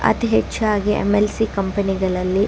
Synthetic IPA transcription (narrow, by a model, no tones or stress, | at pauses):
ɐ̰t̪iɦet͡ʃːaːɡiʔḛmelsikɐmpɐniɡɐɭɐlːi